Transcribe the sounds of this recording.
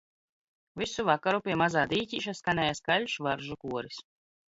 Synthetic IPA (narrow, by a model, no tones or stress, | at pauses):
visuvakaɾupʲiɛmazaːd̪iːtʲiːʃ̬askanʲɛːjaskalʲʃvaɾʒukuɔɾis